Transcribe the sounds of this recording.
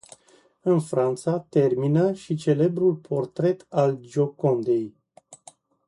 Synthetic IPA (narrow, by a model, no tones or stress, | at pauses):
ɨnfɾant̪sat̪e̞rminəʃit͡ʃe̞le̞bɾulpʰo̞rt̪ɾe̞t̪ald͡ʒo̞ko̞nd̪e̞j